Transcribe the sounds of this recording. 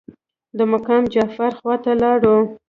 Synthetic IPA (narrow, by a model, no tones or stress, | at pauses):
d̪əmʊkɑmd͡ʒafaɾxwɑt̪alɑɽu